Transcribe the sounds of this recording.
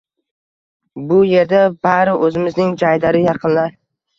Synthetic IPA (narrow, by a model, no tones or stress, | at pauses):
bʊje̞ɾd̪abaɾɪʔɵzɪmɪznɪŋd͡ʒajd̪aɾɪjɑqʰɨnlaɾ